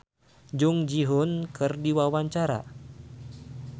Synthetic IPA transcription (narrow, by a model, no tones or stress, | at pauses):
d͡ʒʊŋd͡ʒiɦʊnkɨrdiwawaɲt͡ʃaɾa̰